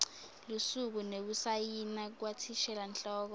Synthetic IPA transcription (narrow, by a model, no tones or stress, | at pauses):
lusuk̬uneɓusajinak̬watʰiʃɛlant͡ɬʼɔːk̬ɔ